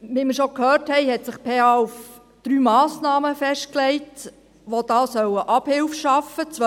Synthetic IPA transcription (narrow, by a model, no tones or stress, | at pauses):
ʋiməɾʃokhøːrthɛɪhɛtsɪχpʰeːɑːuf | d̥ɾyːmɑːsnɑːməfɛʃt̚klɛɪt | ʋod̥̪ɑːsœwəʔɑb̥hɪlfʃɑfət͡sʋ